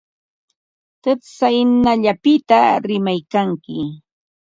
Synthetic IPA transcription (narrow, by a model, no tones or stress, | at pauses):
t̪ɨsajnaʎapɪt̪aɾɪmajkaŋkɪ